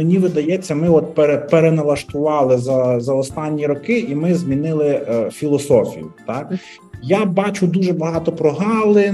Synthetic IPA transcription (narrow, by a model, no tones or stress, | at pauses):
menʲiʋɪd̪ɐjɛt͡sʲːɐmɪɔt̪̚peɾepeɾenɐlˠɐʃt̪ʊʋɑlˠɪzɐzɐɔst̪ɑnʲːiɾɔkɪʔimɪzmʲinɪlˠɪfʲilˠɔsɔfʲḭjʊt̪ɑk | jabɑt͡ʃʊd̪uʒɛbɐɦɑt̪ɔpɾɔɦɑwlˠɪ